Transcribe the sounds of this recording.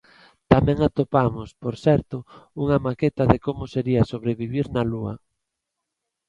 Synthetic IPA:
t̪amɛ̃ŋat̪opamospoɾsɛɾt̪ʊuŋɐmaket̪aðekomʊseɾiɐsoβ̞ɾeβiβ̞iɾnaluɐ̰

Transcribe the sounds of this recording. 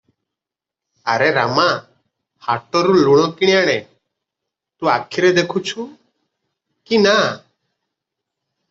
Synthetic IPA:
əɾeɾama | haʈɔɾuluɽ̃ɔkiɽ̃jaɽ̃e | t̪ũakʰiɾed̪ekʰut͡ʃʰu | kina

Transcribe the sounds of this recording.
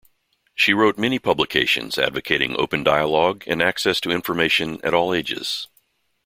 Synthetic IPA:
ʃiɹoʊt̚mɛñipʰʌbləkʰeɪʃɨ̰̃nz̥æ̰dvɨkʰeɪɾɪ̃ŋʔo̰ʊpɨ̃n̩daɪəlɔɡɨ̰̃næksɛstʰɨɪ̃ɱfə˞meɪʃɨ̃nɨ̰ɾɔlˠeɪd͡ʒɪ̰z̥

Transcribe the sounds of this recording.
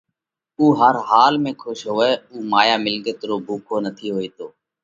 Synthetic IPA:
uːɦəɾɦaːlmẽːkʰʊʃɦoːɛːuːmaːjaːmɪlɠət̪ɾoːbʱuːkʰoːnət̪ʰiːɦoːiːt̪oː

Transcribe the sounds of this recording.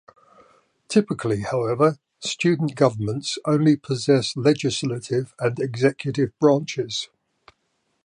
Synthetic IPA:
tʰɪpɪkʰəlihaʊɛvə | st͡ʃʉːdⁿn̩ɡ̥ʌvəmə̃ntsə̃ʊ̃nlipʰəzɛslɛd͡ʒɪslətʰɪvə̃nɛɡzɛkʰjətɪvbɹɑ̃ˑnt͡ʃɪz̥

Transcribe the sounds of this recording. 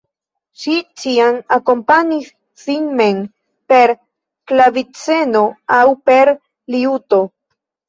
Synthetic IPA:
ʃit͡ʃiamako̞mpaɲis | finmen | pe̞ɾ | klavit͡se̞no̞awpe̞ɾ | liuto̞

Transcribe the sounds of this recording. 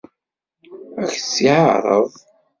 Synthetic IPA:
æçəsːiʕaɾˤəðˤ

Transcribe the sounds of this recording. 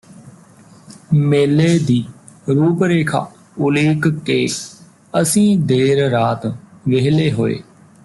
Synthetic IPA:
meːleːd̪iː | ɾuːpɾeːkʰa̰ː | ʊleːkkeː | əsĩːd̪eːɾɾaːt̪ʋeɦleːɦo̰ːḛː

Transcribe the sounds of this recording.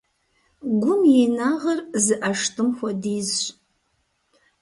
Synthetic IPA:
ɡʷʊmjenaʁɐrzɨʔɐʂtʰʼɨmxʷɔdiːzɕʷʼ

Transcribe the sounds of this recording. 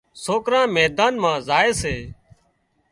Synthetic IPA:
soːkɾãːmɛːd̪aːnmãːzaːeːseː

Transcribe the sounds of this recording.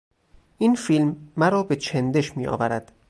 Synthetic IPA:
ʔiːnfilmːæɾɒːbe̞t͡ʃʰend̪e̞ʃmiːʔɒ̰ːvæɾæd̪̥

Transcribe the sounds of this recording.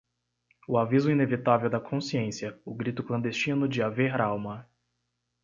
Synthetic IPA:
ʊavizʊinevit̪avewd̪ɐkʰõsiẽsiɐʊɡɾit̪ʊklɐ̃nd̪est͡ʃĩnʊd͡ʒɪaveɾɾawmɐ

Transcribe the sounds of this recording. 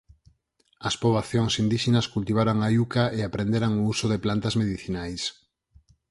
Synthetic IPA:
ɐspoβlaθjoŋsind̪iʃenɐskult̪iβ̞aɾaŋajukaeapɾend̪eɾaŋousoðeplant̪ɐzmeðiθinajs

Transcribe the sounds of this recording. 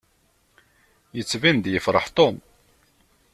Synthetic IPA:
jət͡sːvind̪jəfɾˤə̰ħt̪om

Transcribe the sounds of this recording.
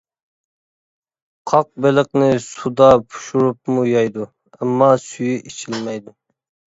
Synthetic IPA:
qʰɑq̚belɪqnɪsud̪ɑpʰu̥ʃuɾup̚mujɑjd̪u | ɛmːɑsyjyʔet͡ʃʰilmɛjd̪u

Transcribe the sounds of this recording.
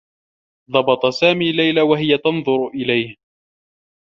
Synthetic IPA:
ðˤɑbɑt̪ˤɑsaːmiːlajlawaɦɪjat̪ɑnðˤʊɾʊʔɪlajh

